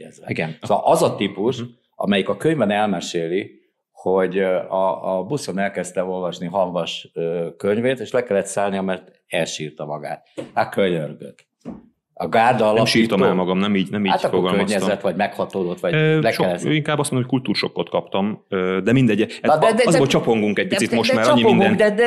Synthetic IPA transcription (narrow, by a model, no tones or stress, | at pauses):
ɛzɛ̰iɡɛnsolʔɒzɒt̪ipuʃ | ʔɒ̰mɛjikɒkøɲvɛnɛlmɛʃeːli | ho̞ɟɒbusonɛlkɛst̪ɛo̞lvɒʃniɦɒŋvɒʃøkøɲveːt̪eːʃlɛkɛlːɛt̪saːlnijɒmɛrt̪ | ɛlʃiːrt̪ɒmɒɡa̰ːt̪akøɲørɡø̰t̪ | ɒɡaːrd̪ɒlɒmʃiːrt̪omɛalmɒɡɒmnɛmiːɟnɛmiːat̪ɒkfoɡɒlkøɲɛzɛt̪ːʋɒɟmɛkhɒt̪oːd̪o̞t̪ʋɒɟlɛʃɛlːɛøiŋkaːbːɒstmonomːckult̪uːɾʃokːot̪kɒpt̪ɒmød̪ɛmind̪ɛɟːɛɛnd̪ɛd̪zbot͡ʃɒpo̞ŋɡuŋkɛɟc̚pisit̪moʃt̪maːɾɲːiinɡ̪ɛnd̪ɛd̪ɛ